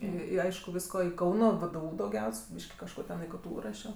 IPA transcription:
ˈiː ɪ ˈɐɪʃkʊ ˈʋʲiːɪskoː ɪ ˈkɐʊnoː ʋʲeːdʲeːˈuː dɐʊˈɡʲɛʊsʲ ˈbʲiːʃʲkʲɪ kɐʃˈkoː tʲɛn ɪ ˈktuː ˈrɑːʃʲoː

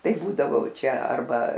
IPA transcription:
ˈtɐɪ ˈbuːdɐʋoː ˈt͡ʃʲɛ ɐrˈbɐ

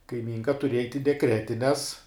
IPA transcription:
kɐɪˈmʲiːŋkɐ tʊˈrʲiɛjɛ ɐɪtʲ ɪ dʲɛˈkrʲæːtʲɪnʲɛs

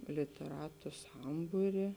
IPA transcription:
lʲɪtʲɛˈrɑːtʊ ˈsɐmbuːrʲɪ

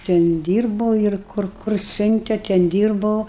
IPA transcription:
ˈtʲɛn ˈdʲiːrboː ɪr ˈkʊr kʊr ˈsʲʊnʲtʲɛ tʲɛn ˈdʲiːrbɐʊ

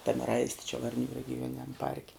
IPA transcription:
tɐm ˈrɐɪsʲtʲɪ t͡ʃʲɛ ʋɐrʲˈnʲuː rʲɛɡʲɪˈjuɔnʲɪnʲɛm ˈpɐrʲkʲɛ

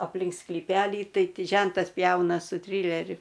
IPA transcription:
ɐpʲˈlʲɪŋk sklʲiːˈpʲæːlʲiː ˈtɐɪ ˈtʲɪ ˈʒʲɛntɐs ˈpʲjɛʊnɐ sʊ ˈtʲrʲiːlʲɛrʲʊ

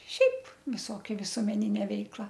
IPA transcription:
ˈʃʲɛɪp ʋʲɪˈsoːkʲɛ ʋʲɪsuɔmʲɛˈnʲɪnʲɛ ˈʋʲɛɪklˠɐ

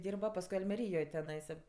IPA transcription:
ˈdʲiːrbɐ pɐsˈkʊɪ ɐlʲmʲɛˈrʲiːjoːj tʲɛˈnɐɪsɐ

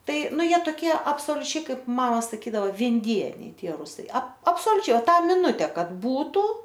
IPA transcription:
ˈtɐɪ ˈnʊ ˈjiɛ toːˈkʲiɛ ɐpsoːlʲʊˈt͡ʃʲɛɪ ˈkɐɪp ˈmɑːmɐ sɐˈkʲiːdɐʋɐ ʋʲɪnʲˈdʲiɛnʲɛɪ ˈtʲiɛ ˈrʊsɐɪ ɐp ɐpsoːlʲʊˈt͡ʃʲɛɪ ˈtɑː mʲɪˈnʊtʲɛ ˈkɐt ˈbuːtuː

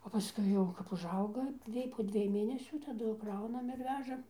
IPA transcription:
oː pɐˈskʊɪ jɛʊ kɐp ʊʒˈɐʊɡɐ ˈjiɛj poː ˈdʲʋʲiɛj ˈmʲeːnʲɛsʲuː tɐˈdʊ ˈkrɐʊnɐm ɪr ˈʋʲæːʒɐm

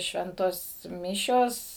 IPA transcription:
ˈʃʲʋʲɛntoːs ˈmʲɪʃʲoːs

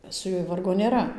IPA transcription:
sʊ ˈjuɔj ˈʋɐrɡoː nʲeːˈrɐ

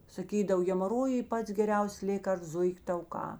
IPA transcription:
sɐˈkʲiːdɐw ɣʲɛmɐˈroːjʊɪ ˈpɐts ɡʲɛˈrʲɛʊsʲeːs ˈlʲeːkɐrsts ˈzʊɪkʲ tɐʊˈkɑː

